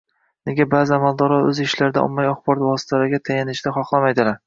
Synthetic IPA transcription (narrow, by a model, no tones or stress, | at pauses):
ne̞ɡʲabaːzɪamalˠd̪ɒɾɒɵzɪʃlaɾd̪a̰ʔɒ̰mːajɒχbɒɾɒt̪vɒsɪ̥t̪ʰalaɾɪɡʲat̪ʰajanɪʃd̪aχɒχlˠamajd̪ɪlaɾ